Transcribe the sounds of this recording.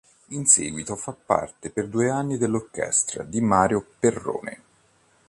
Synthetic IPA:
inseːɡwit̪ofapːa̰rt̪eperd̪uːeanːid̪elːorkɛ̰st̪ɾa̰d̪imaːɾjoperːo̰ːnḛ

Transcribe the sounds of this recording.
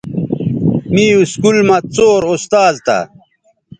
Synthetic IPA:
miːuskulmɐt͡soːɾost̪aːzt̪a̰

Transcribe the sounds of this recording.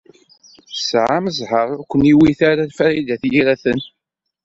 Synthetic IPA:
sʕaməzhəɾˤʊkʷːəniwiθaɾalfæɾid̪æθjiɾæθən

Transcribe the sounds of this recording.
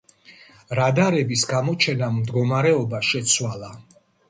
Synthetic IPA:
ɾad̪aɾɛbisɡamɔt͡ʃʰɛnamd̪ɡɔmaɾɛɔbaʃɛt̪sʰwalˠa

